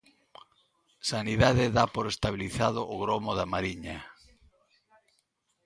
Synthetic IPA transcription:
saniðaðeðapoɾest̪aβ̞iliθað̞ʊʔːɣɾomoðamaɾiɲa

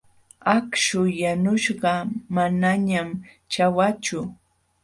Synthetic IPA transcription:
akʃʊjanʊʃɢɑmanaɲam | t͡ʃawat͡ʃʊ

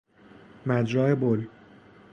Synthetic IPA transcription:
mæd͡ʒɾɒːebol

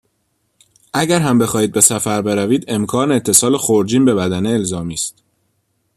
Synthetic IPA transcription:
ʔæɟæɾɦæmbe̞xɒːhiːd̪̚be̞sæfæɾbe̞ɾæviːd̪e̞mkʰɒːneːt̪ʰːe̞sɒːlexoɾd͡ʒiːnbe̞bæd̪æneːlzɒːmiːst̪

